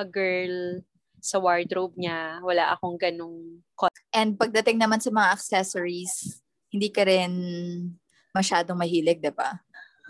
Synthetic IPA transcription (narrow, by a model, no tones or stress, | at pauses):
ʔɐɡɛɹl | sɐwaɹd̪ɾob̚ɲawɐlaʔɐkoŋɡɐnoŋ | ko | ʔɛnd̪̚pɐɡ̚d̪ɐt̪ɪŋnɐmansɐmɐŋaʔɐksɛsoɹis | hɪnd̪iːkɐɾɛn | mɐʃaːd̪oŋmɐɦiːlɛɡ̚d̪ɪba̰